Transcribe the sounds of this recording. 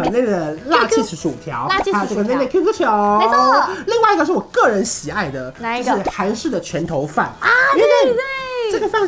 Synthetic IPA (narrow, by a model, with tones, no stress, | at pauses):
ne˥˩ɪd̪ə˩la˥˧i˥˧˩ʂ̩˧˩ʂu˨˩˨t̪ʰjɑ̰˧˥ʊ˥˧a˥˧ʈ͡ʂɤ˥˩ɡə˩ne˥˧ɪne˥˩kʰu˥ku˥t͡ɕʰjo˨˩˧li˥˧ŋwa˥˩ɪ˧ɡə˧ʂɻ̩˥˩wɔ˨˩kɤ˥˩ɻə˧˥nɕi˨˩a˥˩ɪd̪ə˩˧˥xa˧˥nʂɻ̩˥˩d̪ə˩t͡ɕʰɥɛ˧˥nt̪ʰo˧˥ʊfa̰˥˩n˧ɛ˥a˥˩we˥˩ʈ͡ʂɤ˥˩ɡə˩fa˥˧n